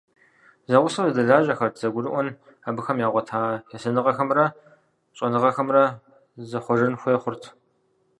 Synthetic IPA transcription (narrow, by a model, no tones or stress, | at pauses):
zɐʁʷʊsɐwzɐdɐɮaːʒɐxɐrtʰz̥ɐɡʷʊrɨʔʷɔn | abɨxɐmjaːʁʷɔtʰaːjɛsɐnɨʁɐxɐmrɐ | ɕʼɐnɨʁɐxɐmrɐ | zɐχʷɔʒɨnxʷeːχʷʊrtʰ